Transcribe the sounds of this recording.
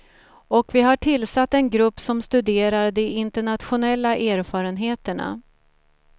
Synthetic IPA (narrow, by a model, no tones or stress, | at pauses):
ɔkvɪɦaʈʰɪlːsat̪ːɛnɡɾɵpːsɔmst̪ɵd̪eːɾaɾd̪ɛɪnt̪əɳat̪ɧʊnɛlːaʔæːɾfɑːɾənɦeːt̪əɳa̰